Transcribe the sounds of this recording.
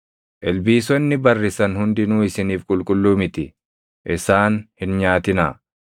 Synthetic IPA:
ʔɛlbiːsɔnːɪbɐrːɪsɐnhʊnd̪ɪnuːɪsɪniːfkʼʊlkʼʊlːuːmɪt̪ɪ | ʔɪsaːnhɪnɲaːt̪ɪna̰ː

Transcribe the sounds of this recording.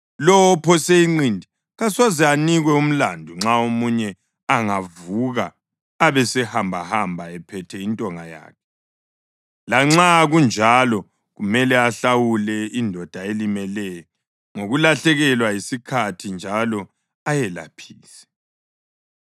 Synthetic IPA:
lɔpʰɔseiŋ͡ǀindʱi | ɣaswazɛaniɣwɛum̩landʱuŋ͡ǁaomuɲɛ | aŋavuɣaː | βɛsɛhambʱahambʱaɛpʰɛtʰɛintʼɔŋaja̰ːkʰɛ̥ | laŋ͡ǁaɣund͡ʒʱalɔ | ɣumɛlɛaɬawulɛindʱɔd̥ʱaelimɛlɛjɔ | ŋoɣulaɬɛɣɛlwajisikʰatʰind͡ʒʱalɔ | ajɛla̰pʰiːsɛ̥

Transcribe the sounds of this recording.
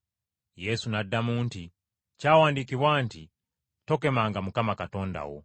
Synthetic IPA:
jɛsunadamunti | t͡ʃawandikiwanti | tɔkɛmaŋɡamukamakatɔnda̰wɔ̰

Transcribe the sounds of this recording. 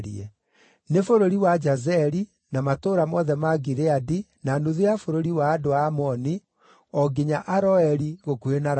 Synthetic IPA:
ɾḭɛ | nefoɾoɾiwad͡ʒazɛɾi | namatoɾamɔðɛmaɡiɾeadi | nanuðeafoɾoɾiwaːdoaːmɔni | ɔɡeɲaʔaɾɔɛɾiɣokuenaɾ

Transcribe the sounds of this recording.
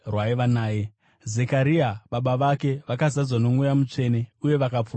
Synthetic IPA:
rwaiʋanaːje̞ | ze̞kaɾiaɓaɓaʋake̞ʋakazad͡zwano̞mwujamut͡ʂe̞ne̞uje̞ʋakap͡fu

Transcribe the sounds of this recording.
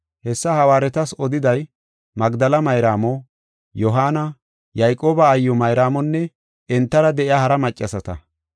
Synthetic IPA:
hɛsːɐhɐwaːɾɛt̪ɐsɔd̪ɪd̪ɐj | mɐɡd̪ɐlɐmɐjɾaːmɔ | jɔɦaːnɐ | jɐjkʼo̞ːbɐːjːɔmɐjɾaːmɔnːɛ | ɛnt̪ːɐɾɐd̪ɛʔɪahɐɾɐmɐt͡ʃʼːɐsɐt̪ɐ

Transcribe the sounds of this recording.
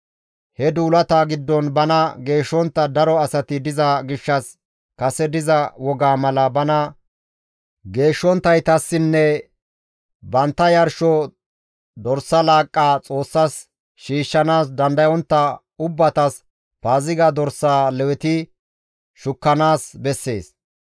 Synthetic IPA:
hɛd̪uːlɐt̪aːɡɪd̪ːɔnbɐnɐɡe̞ːʃːɔnt̪ːɐd̪ɐɾɔɐsɐt̪ɪd̪ɪzɐɡɪʃːɐs | kɐsɛd̪ɪzɐwɔɡaːmɐlɐbɐnɐ | ɡe̞ːʃːɔnt̪ːɐjt̪ɐsːɪnːɛ | bɐnt̪ːɐjɐɾʃɔ | d̪ɔɾsːɐlaːkʼːaːt͡sʼo̞ːsːɐs | ʃiːʃːɐnaːsd̪ɐnd̪ɐjɔnt̪ːɐ | ʊbːɐt̪ɐs | paːzɪɡad̪ɔɾsːaːlɛwɛt̪ɪ | ʃʊkːɐnaːsbɛsːe̞̰ːs

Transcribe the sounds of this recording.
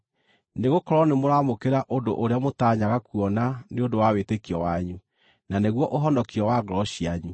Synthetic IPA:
neɣokɔɾɔnemoɾamokeɾaʔondo̰ʔoɾeamotaːɲaɣakuɔnaneondowawetekiɔwaɲu | naneɣwɔʔoɦɔndɔkiɔwaɣɾɔɕiaɲu

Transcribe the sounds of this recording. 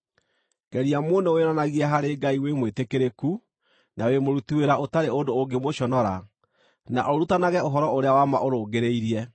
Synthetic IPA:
ɡ̥ɛɾiamonɛoeɾanaɣiɛɦaɾeːɡaiwemwetekeɾeku | nʔawemoɾutiweɾaʔotaɾeondooɡemoɕɔnɔɾa | na̰ʔoɾutanaɣɛoɦɔɾɔoɾeawama̰ʔoɾoːɡeɾeiɾiɛ

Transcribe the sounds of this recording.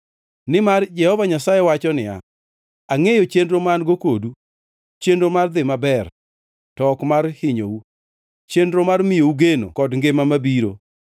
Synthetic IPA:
nɪmard͡ʒɛhɔvaɲasajewat͡ʃɔnɪja̰ | aŋejot͡ʃendɾomanɡokodu | t͡ʃendɾomard̪ɪmabɛr | tɔkmarhɪɲowu | t͡ʃendɾomarmɪjouɡeno̰kɔdŋɡɪmamabiɾo̰

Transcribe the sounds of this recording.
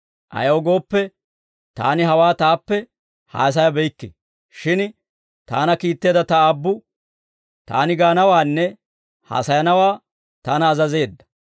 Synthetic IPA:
ʔɐ̰jɐwɔɡo̞ːpːɛ | t̪a̰ːnɪɦɐwaːt̪aːpːɛ | ha̰ːs̬ɐjɐbɛjkːɪ̰ | ʃɪn | t̪a̰ːnɐkiːt̪ːe̞ːd̪ɐt̪ɐaːbːʊ | t̪a̰ːnɪɡaːnɐwaːnːɛ | ha̰ːsɐjɐnɐwaː | t̪aːnɐːzɐze̞ːd̪ːɐ̥

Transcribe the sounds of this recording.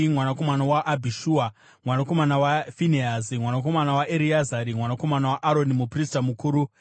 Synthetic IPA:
mwanako̞manawaʔːbʱiʃuːa | mwanako̞manawafineazimwanak̬o̞manawaʔeɾiazaɾimwanako̞manawaʔaɾo̞nimupristamukuːɾu

